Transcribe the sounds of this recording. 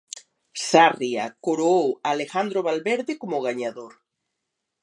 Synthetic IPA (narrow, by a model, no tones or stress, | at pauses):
saria̰koɾoowalexand̪ɾoβalβeɾðekomoɣ̞aɲaðoɾ